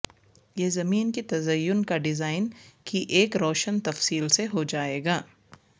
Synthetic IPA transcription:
jeːzɐmiːnkit̪ɐzɐjːʊnkaɖɪzaːɪnkiʔeːkɾɔːʃənt̪ɐfsiːlseɦod͡ʒaːeːɡaː

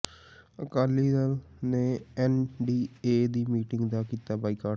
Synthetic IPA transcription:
əkaːlːid̪alneɛnɖiːeːd̪iːmiːʈɪ̃ŋɡd̪akiːt̪abaːikaːʈ

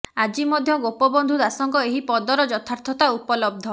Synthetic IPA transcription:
ad͡ʒimɔd̪ʱjɔɡopɔbɔnd̪ʱud̪asɔŋkɔeɦipɔd̪ɔɾɔd͡ʒɔt̪ʰaɾt̪ʰɔt̪aupɔlɔb̚d̪ʱɔ

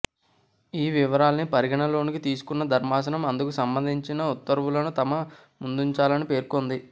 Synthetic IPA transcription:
iːʋiʋɐɾaːlɐnipɐɾiɡɐɳɐlo̞ːnikit̪iːsu̥kunːɐd̪ʱɐɾmaːs̬ɐnɐmɐnd̪ukusɐmbɐnd̪ʱiɲt͡ʃinɐut̪ːɐɾʋulɐnut̪ɐmɐ | mund̪uɲt͡ʃaːlɐnipe̞ːɾkond̪i

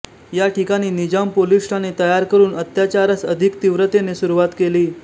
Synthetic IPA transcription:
jaʈikaɽ̃iːnid͡ʑampolisʈanet̪əjaɾkəɾuːnət̪jat͡ɕaɾat͡səd̪ʱikt̪iʋɾət̪enesuɾuʋat̪keliː

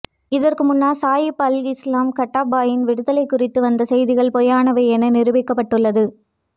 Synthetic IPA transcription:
ɪðɐrkɯmʊnːaːsaːjɪpɐlɪslaːmkɐʈːaːbaːjɪnʋɪɽɯðɐlɐɪkːʊrɪt̪ːɯʋɐnd̪ɐsɛjðɪɣɐɭpɔjaːnɐʋɐɪɛnɐnɪrɯʋɪkːɐpːɐʈːɯɭːɐðɯ

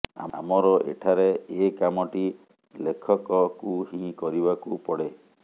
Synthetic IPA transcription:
a̰a̰mɔɾɔʔḛʈʰaɾeekamɔʈi | lekʰɔkɔkuhĩkɔɾibakupɔɽe

